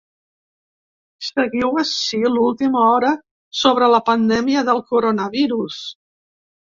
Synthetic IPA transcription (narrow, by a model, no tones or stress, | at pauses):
səɣiwəʃilulˠt̪iməɔɾə | soβ̞ɾələpənd̪ɛmiəðəlˠkuɾonəβiɾus